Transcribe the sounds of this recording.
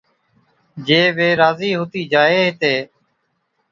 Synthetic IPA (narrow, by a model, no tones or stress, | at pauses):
d͡ʒeːʋeːɾaːziːɦoːt̪iːd͡ʒaːeːɦt̪eː